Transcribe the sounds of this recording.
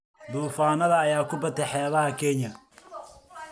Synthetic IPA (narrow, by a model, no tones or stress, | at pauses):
d̪uːfaːnɐðɐːjaːkʰʊbɐt̪ʰɛħɛːβɐɦɐkʰɛnjɐ